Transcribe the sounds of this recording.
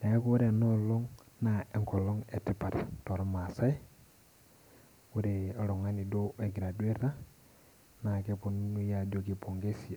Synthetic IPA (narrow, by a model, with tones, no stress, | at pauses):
na˨˦ko˦ɾe˨no˦lo˦ŋna˨e˦ŋkɔ˨lo˦ŋe˨ti˦pa˨tto˨ɾɔ˦ma˨sa˦j | wu˦ɾe˨a˦lo˨ŋa˦ni˨do˦e˨ɡɾa˨du˦e˦ɾa˦ | na˨ke˦pu˦n˦nu˦ja˨d͡ʒo˦ki˨po˨ŋɡe˦si˨